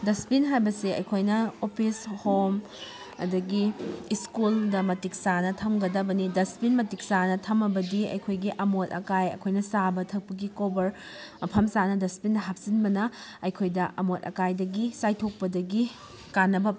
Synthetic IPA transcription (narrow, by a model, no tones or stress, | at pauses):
dɐspinɦajbɐseɐ̰jkʰojnɐopʰishom | ɐ̰dɐɡiːskuldɐmɐtik̚sanɐtʰɐmɡɐdɐbɐnidɐspinmɐtik̚sanɐtʰɐmɐbɐdiɐ̰jkʰojɡiʔɐmotɐkajɐ̰jkʰojnɐsabɐtʰɐk̚pɐɡikobɐɾ | pʰɐmsanɐdɐspindɐɦap̚sinbɐnɐɐjkʰojdɐʔɐmotɐ̰kajdɐɡisajtʰok̚pɐdɐɡi | kanːɐbɐ